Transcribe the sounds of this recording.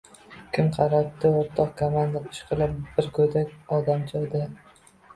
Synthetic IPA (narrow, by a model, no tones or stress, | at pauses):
kʲʰɪmqʰɑɾap̚t̪ɪoɾt̪ʰɒq̚kʰomand̪apʰʊ̥ʃqʰɨlˠɪpb̥ɪɾkʰɵjd̪akʲɒd̪amt͡ʃʰɒd̪ɪ